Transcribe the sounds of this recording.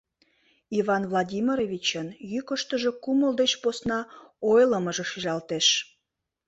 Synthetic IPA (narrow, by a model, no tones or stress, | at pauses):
ivɑnvlˠɑdʲimiɾovʲit͡ɕənjykəʃt̪əʒe̽kuməld̪et͡ɕposnɑojləməʒĕʃiʒɑlt̪eʃ